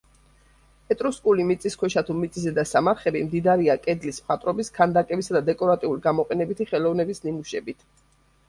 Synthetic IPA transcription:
ɛt̪ʼɾuskʼulimit̪sʼiskʰwɛʃat̪ʰumit̪sʼisɛd̪asamaɾχɛbimd̪id̪aɾiakʼɛd̪lismχat̪ʼɾɔbiskʰand̪akʼɛbisad̪ad̪ɛkʼɔɾat̪ʼiuliɡamɔqʼɛnɛbit̪ʰiχɛlɔvnɛbisnimuʃɛbit̪ʰ

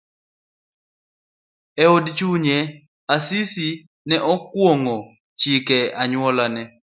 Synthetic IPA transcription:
ɛodt͡ʃuɲɛ | asisi | nɛʔɔkwoŋɔ | t͡ʃikɛaɲwɔlanɛ

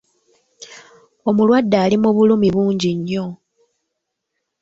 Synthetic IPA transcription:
omulwadːaːlimuβulumiβuːɲɟiɲːo̞

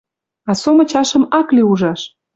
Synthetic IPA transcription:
ɑsomə̆t͡ɕɑʃə̆mɑkliuʒɑʃ

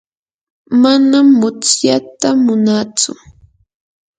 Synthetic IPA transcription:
manamːʊt͡sjat̪amʊnat͡sʊ̰

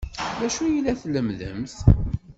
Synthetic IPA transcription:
ðæʃujəlːæθləmðə̰mθ

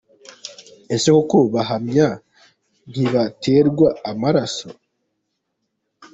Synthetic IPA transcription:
e̞sekokoβaɦamɲa | n̥hiβatʰe̞ːɾɡwaːmaɾaso

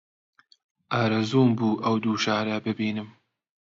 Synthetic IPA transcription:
ʔaːɾɐzuːmbuːʔɐwd̪uːʃaːɾɐbɨbiːnɨm

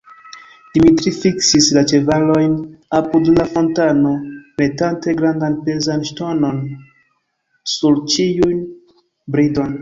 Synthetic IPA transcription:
d̥imitɾifiksislat͡ʃe̞valo̞jnapudlafo̞ntano̞me̞tante̞ɡɾandanpe̞zanʃtono̞n | suɾt͡ʃiujn | bɾido̞n

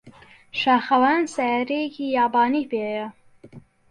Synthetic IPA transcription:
ʃɑːxɐwansajɾekijɑːbɑːnipejɐ

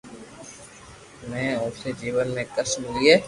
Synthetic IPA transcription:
mɛ̃ːoːsed͡ʒiːʋənːẽːkəsmɪliːeː

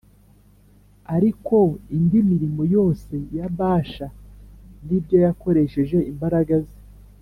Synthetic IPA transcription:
aɾiko̞indimiɾimo̞jo̞ːse̞jaβaːʃandibjo̞jako̞ɾe̞ʃe̞ʒe̞ʔimbaɾaɡaze

